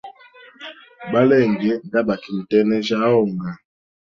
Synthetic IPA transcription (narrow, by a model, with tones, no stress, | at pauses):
ba˦lɛ˦˨ŋɡɛ˨˦ŋda˦ba˨ki˨m̩˨tɛ˦nɛ˦ʒa˦ɔ˦˨ŋɡa˨